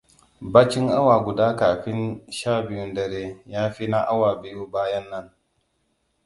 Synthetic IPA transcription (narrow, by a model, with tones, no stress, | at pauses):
baː˦t͡ʃɪ˦ŋʔa˦wa˨ɡʷʊ˨daː˦kaː˨ɸɪ˦nʃaː˦˨bɪ˨ju˦ndɐ˨ɾeː˦jaː˦ɸiː˦na˦ʔa˦wa˨bɪ˨ju˦baː˦jɐ˦nːɐ˦ŋ